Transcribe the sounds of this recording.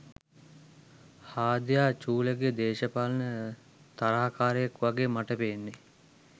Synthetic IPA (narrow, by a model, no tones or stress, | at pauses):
haːd̪jaːt͡ʃuːləɡed̪eːʃəpalənə | t̪aɾaːkaːɾəjəkʋaɡemaʈəpenːe